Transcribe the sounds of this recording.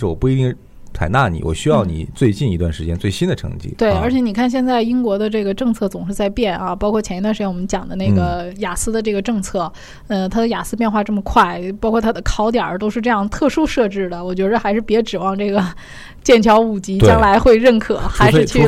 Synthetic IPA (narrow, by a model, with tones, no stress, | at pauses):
ɻ̩˥˩wɔ˨˩pu˥˩i˧˥t̪i˥˩ŋ | t͡sʰa̰˨˩ɪna˥˩nḭ˨˩wɔ̰˨˩ɕy˥jɑ˥˩ʊnḭ˨˩t͡swe˥˧ɪt͡ɕi˥˩ni˧˥t̪wa˥˩nʂɻ̩˧˥t͡ɕjɛ˥nt͡swe˥˩ɪɕi˥nd̪ə˨ʈ͡ʂʰɤ̰˧˥ŋt͡ɕḭ˥˩t̪we˥˩ɪə˞˧˥t͡ɕʰjɛ˧˥ni˨˩kʰa˥˧nɕjɛ˥˧nt͡sa˥˩ɪi˥ŋkwɔ˧˥d̪ə˧ʈ͡ʂɤ˥˩ɡə˩ʈ͡ʂɤ˥˧ŋt͡sʰɤ˥˩t͡sʊ˨˩ŋʂɻ̩˥˧t͡sa˥˧ɪpjɛ˥˩nɐ˧pɑ˥ʊkʰwɔ˥˩t͡ɕʰɛ˧˥˧wʂwɔ˨˩mə˦nt͡ɕjɑ˨˩ŋd̪ə˦ne˥˩ɪɡə˩ja˨˩sɹ̩˥d̪ə˧ʈ͡ʂɤ˥˩ɡə˩ʈ͡ʂɤ˥˧ŋt͡sʰɤ˥˩ | ə˧t̪ʰa˥d̪ə˨ja˨˩sɹ̩˥p̬jɛ˥˧nxwa˥˧ʈ͡ʂɤ˥˩mə˩kʰwa˥˩ɪpɑ˥kʰwɔ˥˩t̪ʰa˥d̪ə˧kʰɑ˥ʊt̪jɑ̰˨˩t̪o˥ʊʂɻ̩˥˧ʈ͡ʂɤ˥˧jɑ˥˧ŋt̪ʰɤ˥˩ʂu˥ʂɤ˥˧ʈ͡ʂɻ̩˥˩d̪ə˩wɔ˨˩t͡ɕɥɛ˧˥d̪ə˧xa˧˥ɪʂɻ̩˥˩pjɛ˧˥ʈ͡ʂɻ̩˨˩wɑ˥˧ŋʈ͡ʂɤ˥˩ɡə˩ | t͡ɕjɛ˥˩nt͡ɕʰjɑ˧˥ʊu˨˩t͡ɕi˥tjɑ˥ŋla˧˥ɪxwe˥˧ɪɻə˥˩nkʰɤ˨˩xa˧˥ɪʂɻ̩˥˩t͡ɕʰy˥˩˧